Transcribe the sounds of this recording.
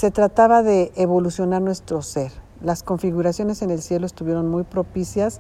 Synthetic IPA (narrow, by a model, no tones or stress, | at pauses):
se̞t̪ɾat̪aβaðe̞ːβo̞lusjo̞naɾnwe̞st̪ɾo̞se̞ɾ | lasko̞ɱfiɣuɾasjo̞ne̞se̞ne̞lsje̞loest̪uβje̞ɾo̞nmujpɾo̞pisjas